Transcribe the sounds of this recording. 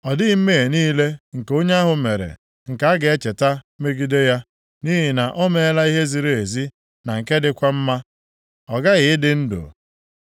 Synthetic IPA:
ɔ˨dɪ˦me˦˨e˨niː˦le˦ŋ̩˨ko˦ɲe˦a˦ɦʊ˨me˨ɾḛ˨ | ŋ̩˨ka˨˦a˦ɡɪ˨e˦t͡ʃe˨ta˦ | me˦ɡi˦de˦ja˦ | ni˦ɦi˨na˨ʔɔ˦me˦˨e˦la˦i˦ɦe˦zi˨ɾe˦e˨zi˦ | na˨ŋ̩˨ke˦dɪ˦kʷa˦m̩˦ma˦ | ɔ˨ɡa˦ɣɪ˨˦ɪ˦dɪ˨n̩˦do̰˨

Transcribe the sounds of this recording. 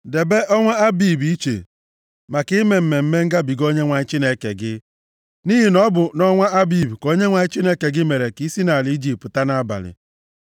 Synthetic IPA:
de˨be˦ʔɔ˦ŋʷa˦a˦biː˦˨bi˦t͡ʃḛ˨ | ma˨kɪ˦me˨m̩˨me˨m̩˦me˦ŋ̩˦ɡa˦bi˨ɡo˦ɲe˦ŋʷa˨˦t͡ʃi˦ne˨ke˨ɡɪ˦ | ni˦ɦi˨nɔ˦bʊ˨nɔ˦ŋʷa˦a˦biː˨bko˦ɲe˦ŋʷa˨ɲɪ˦t͡ʃi˦ne˨ke˨ɡɪ˦me˨ɾe˨ki˦si˦na˨li˨˦i˦d͡ʒi˨p̚tta˦na˦a˦ba̰˨lɪ̰˨

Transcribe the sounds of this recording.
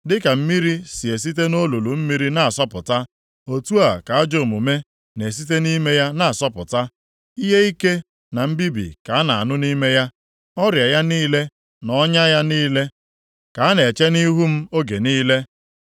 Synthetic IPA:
dɪ˦ka˨m̩˦mi˦ɾi˦si˨e˨s̬i˦t̬e˦no˦lu˨lu˨m̩˦mi˦ɾi˦na˨a˨sɔ˦pʊ˨ta˦ | o˨tu˦a˨ka˨a˦d͡ʒo˨mu˨me˦ | ne˨s̬i˦t̬e˦ni˦me˦ja˦na˨a˨sɔ˦pʊ˨ta˦ | i˦ɦe˦i˦ke˦ | na˨m̩˦bi˦bḭ˨ka˨a˦na˨a̰˨nʊ˦ni˦me˦ja˦ | ɔ˦ɾja˨ja˦niː˦le˦ | nɔ˦ɲa˦ja˦niː˦le˦ | ka˨a˦ne˨t͡ʃe˦ni˦ɦu˦m̩˦o˦ɡe˨niː˦le˦

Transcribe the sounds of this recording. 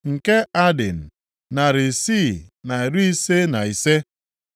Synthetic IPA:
ŋ̩˨ke˦a˦dḛ˨n̩˨ | na˨ɾɪ˨si˦˨na˨e˨ɾu˦i˦se˦na˨i˨se˦

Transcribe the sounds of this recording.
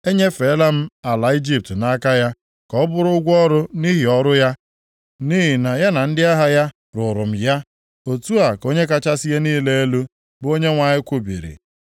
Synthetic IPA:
e˦ɲe˦fe˨˦la˦m̩˦a˨la˨i˦d͡ʒi˦p̚tna˦ka˦ja˦ | kɔ˨˦bʊ˦ɾʊ˦ʊ˦ɡʷɔ˦ɾʊ˦ni˦ɦi˨ɔ˦ɾʊ˦ja˦ | ni˦ɦi˨na˨ja˦na˨n̩˦dɪ˦a˦ɦa˦ja˦ | ɾʊ˨ɾʊ˨m̩˨ja˦ | o˨tu˦a˨ko˦ɲe˦ka˦t͡ʃa˦si˦je˦niː˦le˦e˦lu˦ | bo˦ɲe˦ŋʷa˨ɲɪ˦kʷo˦bḭ˨ɾḭ˨

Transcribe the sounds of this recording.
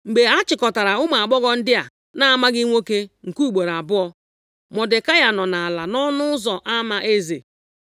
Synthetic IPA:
ŋ͡m̩˨ɡ͡be˨a˦t͡ʃɪ˨kɔ˨ta˨ɾa˨ʊ˦ma˨a˨ɡ͡bɔ˦ɣɔ˦n̩˦dɪ˦a˨ | na˦a˦˨ma˦ɡɪ˦ŋʷo˦ke˦ŋ̩˨ku˦˨ɡ͡bo˨ɾa˨bʊ˦ɔ˦ | mɔ˨dɪ˨ka˦ja˨nɔ˨na˨a˨la˨nɔ˦nʊ˦ʊ˦zɔ˨ʔa˦ma˨ʔe˦zḛ˨

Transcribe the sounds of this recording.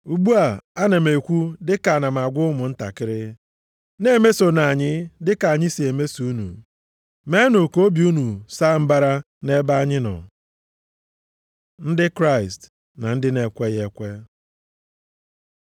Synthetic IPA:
u˨ɡ͡bu˦a˨a˦ne˨me˨kʷu˦dɪ˦ka˨na˨m̩˨a˨ɡʷʊ˦ʊ˦mʊ˨n̩˦ta̰˨kɪ˦ɾɪ˦ | ne˦me˦so˨na˨ɲɪ˦dɪ˦ka˨a˨ɲɪ˦si˨e˨me˦su˨u˦nṵ˨ | me˦nʊ˨ko˦o˦bi˨u˦nu˨sa˦m̩˦ba˦ɾa˦ | ne˦ba˦ɲɪ˦nɔ̰˨ | n̩˦dɪ˦kɾa˦˨ɪ˨st | na˨n̩˦dɪ˦ne˨kʷe˦je˦kʷe˦

